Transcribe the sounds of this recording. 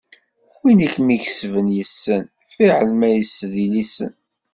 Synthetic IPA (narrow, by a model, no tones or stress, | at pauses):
winikːmiçəsvənjəsːən | fiʕəlmæjəsːðilisə̰n